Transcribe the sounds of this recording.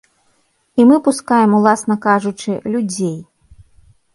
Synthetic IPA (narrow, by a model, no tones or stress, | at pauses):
imɨpuskajɛmulˠasnɐkaʐut͡ʂɨlʲud͡zʲej